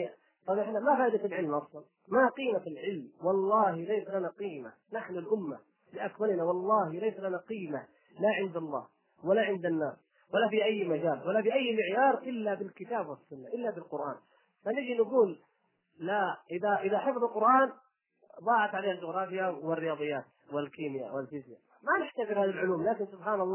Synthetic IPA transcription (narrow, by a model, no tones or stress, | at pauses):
t̪ˤɑbʔɪħnamafaːʔɪd̪atɪlʕɪlmʔɑsˤlɑn | maqiːmaɪlʕɪlmwɑlˤːɑːhlajsalanaqiːma | naħnʊlʔʊmːa̰ | lɪʔakmalnawɑlˤːɑːhlajsalanaqiːma | laʕɪnd̪ɑlˤːɑ̰ːh | walaʕɪnd̪anːaːs | walːafiʔajːmad͡ʒaːlwalːafiʔajːmɪʕjɑːɾˤʔɪlːabɪlkɪt̪aːbwɪsːʊnːaʔɪlːabɪlqʊɾʔa̰ːn | fanɪd͡ʒinaɡuːlː | aʔɪðaʔɪðaħɪfðˤlqʊɾʔaːn | d̪ˤɑːʕat̪ʕaleːhald͡ʒʊɣɾˤɑːfɪjawɪrːɪjɑːd̪ˤɨjːaːt̪ | wɪlkiːmɪja̰wɪlfɪzja | manɪħt̪afɪɾhaːðalʕʊluːmlaːkɪnsʊbħaːnɑlˤː